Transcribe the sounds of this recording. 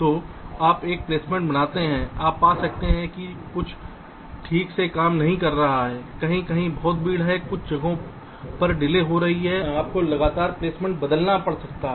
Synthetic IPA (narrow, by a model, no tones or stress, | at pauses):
t̪oːaːpeːk̚pleːsmẽɳʈbɐnaːt̪eɦɛ̃ːaːpːaːsɐk̚t̪eɦɛ̃kikʊt͡ʃʰ | ʈʰiːksekaːmnɐɦĩkɐɾːɐɦaɦɛːkɐɦĩkɐɦĩbɔːt̪̚biːɽɦɛkʊt͡ʃʰd͡ʒɐɡõ | pɐɾɖɪleːɦoɾɐɦiɦɛaːp̚kolɐɡaːt̪aːɾpleːsmẽːɳʈbɐd̪əlnapɐɽsɐk̚t̪aɦɛ